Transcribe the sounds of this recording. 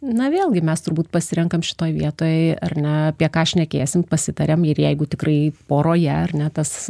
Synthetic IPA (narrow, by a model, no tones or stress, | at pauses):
nɐʋʲeːlˠɡʲɪmʲɛst̪ʊɾbuːt̪̚pɐsʲɪɾʲɛŋkɐmʃʲɪ̥t̪oːjʋʲiɛt̪oːjɛɪɐ̰rnʲɛɐpʲiɛkɑːʃʲnʲɛkʲeːsʲɪmpɐsʲɪt̪ɐɾʲeːmɪɾjɛɪɡʊt̪ʲɪkɾɐɪpoːɾoːjɛɐrnʲɛt̪ɐs